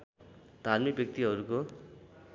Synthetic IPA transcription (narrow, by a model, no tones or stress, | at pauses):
d̪ʱarmikbjʌk̚t̪iɦʌɾuko